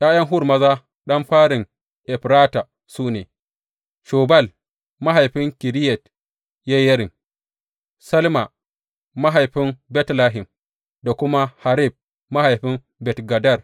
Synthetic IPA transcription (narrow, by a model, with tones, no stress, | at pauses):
jaː˦jɐ˦ŋɦʊ˦ɾmɐ˦za˦ | ɗɐ˦mɸaː˦ɾɪ˨ŋ | ʔɛ˨ɸɾaː˦ta˨ | suː˦neː˨ | ʃoː˨ba˦˨l | ma˦ɦa˨jɸɪ˦ŋki˨ɾi˦jɛ˨t | ja˦jɐ˦ɾɪ˨ŋ | sɐ˦lma˨ | ma˦ɦa˨jɸɪ˦mbɛ˦tla˦ɦɪ˨m | da˨kʷʊ˦ma˦ha˨ɾi˦˨b̚ː | a˦ha˨jɸɪ˦m | bɛ˨tɡa˨da˦˨r